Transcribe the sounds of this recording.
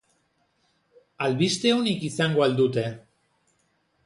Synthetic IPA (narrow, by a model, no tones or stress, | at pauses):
alβist̪e̞unikisaŋɡoald̪ut̪e̞